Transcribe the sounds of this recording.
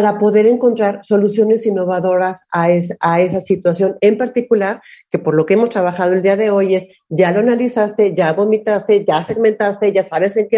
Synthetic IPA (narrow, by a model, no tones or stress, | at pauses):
aɾapo̞ðe̞ɾe̞ŋko̞nt̪ɾaɾso̞lusjo̞ne̞sinːo̞βaðo̞ɾasaesae̞sasit̪wasjo̞ne̞mpaɾt̪ikulaɾke̞po̞ɾlo̞kee̞mo̞st̪ɾaβaxað̞oe̞ld̪iaðe̞o̞je̞s | ɟ͡ʝalo̞analisast̪e̞ʝaβo̞mit̪ast̪e̞ʝase̞ɣment̪ast̪e̞ʝasaβe̞seŋke